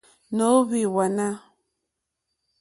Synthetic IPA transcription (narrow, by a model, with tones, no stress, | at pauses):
no˨˦βi˨wa˨na˦